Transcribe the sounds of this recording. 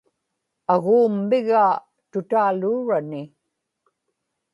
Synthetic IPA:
aɣuːmːɪɣaː | t̪ʊt̪aːluːɻanɪ

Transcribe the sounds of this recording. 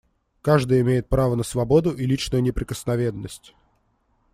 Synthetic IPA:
kaʐd̪ɨjɪmʲejɪt̪̚pɾavənəsvɐbo̞d̪ʊʔilʲit͡ɕnʊjʊnʲɪpɾʲɪkəsnɐvʲe̞nːəsʲtʲ

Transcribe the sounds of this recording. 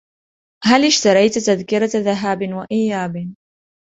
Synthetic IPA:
ɦalɪʃt̪ɑɾˤɑjt̪t̪aðkɪɾɑðaɦaːbɪnwaʔɪjːaːbɪ

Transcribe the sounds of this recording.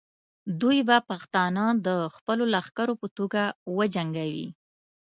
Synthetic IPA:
d̪ujbapaxt̪ɑnad̪əxpəlolaxkaɾopət̪oɡawəd͡ʒaŋɡawḭ

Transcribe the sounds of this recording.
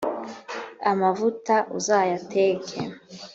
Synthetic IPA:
amavutaʔuzaːjatʰeːkʰḛ

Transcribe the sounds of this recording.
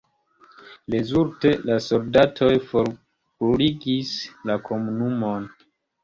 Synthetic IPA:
le̞zuɾte̞lasoldatʰo̞jfoɾ | buliɡislakʰo̞munumo̞n

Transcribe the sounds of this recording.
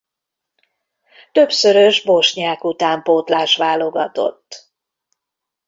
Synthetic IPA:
t̪ø̞bsø̞ɾøʒboʃɲaːkut̪aːmpoːt̪laːʃʋaːlo̞ɡɒt̪o̞̰t̪ː

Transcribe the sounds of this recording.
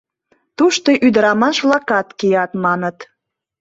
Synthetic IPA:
t̪uʃt̪oʔyd̪əɾɑmɑʃβlɑkɑt̪kijɑt̪mɑnət̪

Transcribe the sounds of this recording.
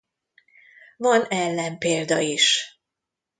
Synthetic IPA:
vɒnɛlːɛmpeːld̪ɒiʃ

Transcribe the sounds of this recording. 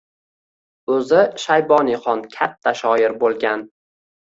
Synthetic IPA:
ɵzɪʃajbɒniχɒnkʲʰat̪ʰːaʃɒjɪɾbolˠɡʲan

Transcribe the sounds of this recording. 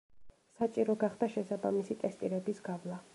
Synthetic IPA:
sat͡ʃʼiɾɔɡaχd̪̥aʃɛsabamisit̪ʼɛst̪ʼiɾɛbisɡavlˠa

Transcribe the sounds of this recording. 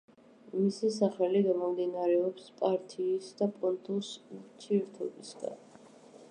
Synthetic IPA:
misisaχɛliɡamɔmd̪inaɾɛɔpspʼaɾt̪ʰiːsd̪apʼɔnt̪ʼusmt͡ʃʰiɾt̪ʰɔbisɡa̰n

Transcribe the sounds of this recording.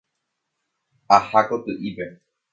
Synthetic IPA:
ahakot̪ɨʔibɛ

